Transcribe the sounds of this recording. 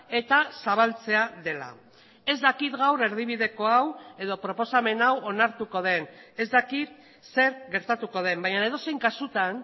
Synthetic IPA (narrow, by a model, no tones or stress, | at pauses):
e̞t̪asaβalt͡se̞aðe̞la̰ | e̞zd̪akit̪ɡawɾe̞ɾð̞iβ̞iðe̞ko̞awe̞ðo̞pɾo̞po̞same̞nawo̞naɾt̪uko̞ð̞e̞ne̞zd̪akit̪ | se̞ɾɣɡe̞ɾt̪at̪uko̞ð̞e̞mbajɲaneð̞o̞se̞jŋkasut̪an